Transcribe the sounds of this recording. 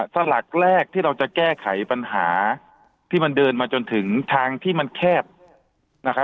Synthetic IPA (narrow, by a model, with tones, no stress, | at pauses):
sa˧la˨˩k̚ɾɛː˥˩k̚t̪ʰiː˥˩ɾa˧wt͡ɕa˨˩kɛː˥˩kʰa˩˦jpa˧nɦaː˩˦ | t̪ʰiː˥˩ma˧ndɤː˧nmaː˧t͡ɕo˧nt̪ʰɯ˩˦ŋt̪ʰaː˧ŋt̪ʰiː˥˩ma˧nkʰɛː˥˩p̚ | na˦˥kʰa˦˥